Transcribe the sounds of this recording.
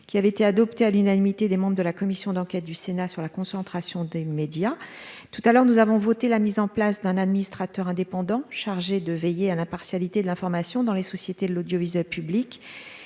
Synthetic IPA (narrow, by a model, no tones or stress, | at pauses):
kʲiavɛet̪ead̪ɔpt̪ealynanimit̪ed̪emɑ̃bʁd̪əlakɔmisjɔ̃d̪ɑ̃kʲɛt̪̚d̪ysenasyʁlakɔ̃sɑ̃t̪χasjɔ̃d̪emed̪jat̪ut̪alœʁnuzavɔ̃vɔt̪elamizɑ̃plasd̪ɛ̃nad̪minist̪χat̪œʁɛ̃d̪epɑ̃d̪ɑ̃ʃaʁʒed̪əvejealɛ̃paʁsjalit̪ed̪əlɛ̃fɔʁmasjɔ̃d̪ɑ̃lesɔsjet̪ed̪əlod̪jɔvizɥɛlpyblik